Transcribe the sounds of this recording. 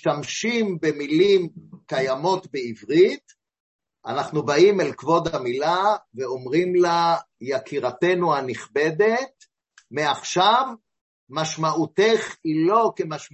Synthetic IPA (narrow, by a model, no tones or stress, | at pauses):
ʃtamʃimbemilimkajamo̞t̪beivʁit̪ | anaχnubaimelkvo̞d̪amilaveo̞mʁimla | jakʰiʁat̪e̞nuhaniχbe̞d̪e̞t | meaχʃav | maʃmauteχilo̞kemaʃ